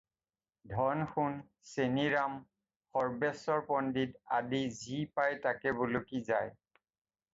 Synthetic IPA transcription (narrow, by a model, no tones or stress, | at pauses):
dʱɔnxun | seniɹam | xɔɹbɛsɔɹpɔndida̰dizipajtakɛbulokizaj